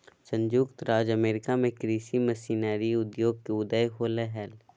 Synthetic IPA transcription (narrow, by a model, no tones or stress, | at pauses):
sə̃ɲd͡ʒuːkt̪ɾaːd͡ʒəmeːɾɪkamẽkɾiːsimɐsiːnaːɾiʊd̪joːɡ̚keʊd̪əjɦoːleɦɛl